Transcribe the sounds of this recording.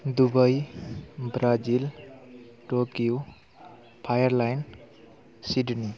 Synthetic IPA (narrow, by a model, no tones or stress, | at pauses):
d̪ubʌj | bɾad͡ʒil | ʈokiu | pʰajəɾlajn | siɖni